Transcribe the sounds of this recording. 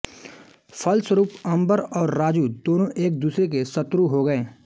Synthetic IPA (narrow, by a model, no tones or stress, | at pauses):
fʰɐlsəɾuːpɐ̃mbəɾɔːɾːaːd͡ʒuːd̪oːnõʔeːk̚d̪uːsɾek̬esɐt̪ɾuɦoɡɐẽː